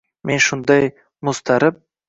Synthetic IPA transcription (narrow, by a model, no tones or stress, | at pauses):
mʔe̞nʃʊnd̪aj | mʊst̪ʰaɾɪp̚